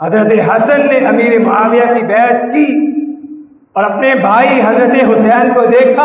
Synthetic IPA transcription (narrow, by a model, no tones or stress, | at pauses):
ɦɐzɾət̪eɦɐsənːeʔɐmiːɾemʊɦaːʋjakibɛːt̪ki | ɔːɾɐpnebʱaːiɦɐzɾət̪eɦʊsɛːnkod̪eːkʰa